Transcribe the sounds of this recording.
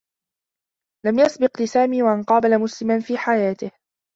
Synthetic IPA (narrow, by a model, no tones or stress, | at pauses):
lamjɑsˤbɪqlɪsaːmiːwaʔanqɑːbalamʊslɪmanfiːħajaːt̪ɪh